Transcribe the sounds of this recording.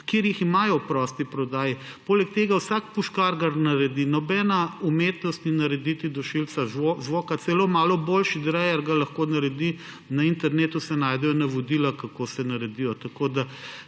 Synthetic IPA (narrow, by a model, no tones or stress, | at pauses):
keɾjiximaːjɔpɾɔst̪ipɾɔd̪aːjipoːlɛk̚t̪eːɡawsakpuʃkaɾɡaɾnɐɾɛd̪inɔbɛnaumet̪nɔst̪ninɐɾɛd̪it̪id̪ɔʃilt̪saozʋoːkat̪sɛlomaːlɔboːlʃid̪ɾɛjaɾɡalɐxkonaɾɛd̪i | naint̪ɛɾneːt̪usɛnaːjd̪ɛjɔnɐʋod̪ilakɐkosɛnɐɾɛd̪ijɔt̪ɐkod̪a